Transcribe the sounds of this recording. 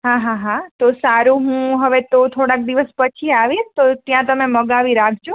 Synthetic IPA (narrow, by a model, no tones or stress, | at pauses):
ɦãɦãɦãt̪osaɾuɦũɦəʋet̪ot̪ʰoɽak̚d̪iʋəspət͡ʃʰiaʋiʃt̪ot̪jãt̪əmeməɡaʋiɾakʰd͡ʒo